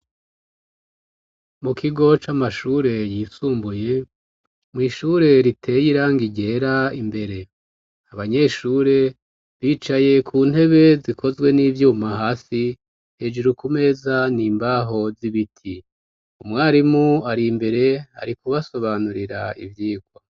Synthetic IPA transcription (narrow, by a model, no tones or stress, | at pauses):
mukʰiɡo̞t͡ʃamaʃuːɾe̞jiːsuːmbuje̞ | mŋiːʃuɾe̞ɾitʰe̞jiɾaːŋɡiɟe̞ɾaimbe̞ɾe̞ | aβaɲe̞ːʃuːɾe̞ | βiːt͡ʃaje̞kʰuːn̥e̞βe̞zikʰo̞zwe̞niːvjuːmahaːsi | he̞d͡ʒeɾukume̞ːzaniːmbaːɦo̞ziβitʰi | umŋaːɾimuaɾimbe̞ɾe̞ha̰ɾikuβaso̞βanuɾiɾa̰ḭvjiːɡwa